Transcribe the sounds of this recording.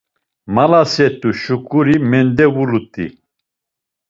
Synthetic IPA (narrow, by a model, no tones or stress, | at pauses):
malasɛt̪ʼuʃukʼuɾimɛnd̪ɛvulut̪ʼḭ